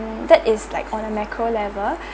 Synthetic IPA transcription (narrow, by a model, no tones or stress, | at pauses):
mdɛtɪslaɪkʰɔ̃nəmakʰɹolɛvəl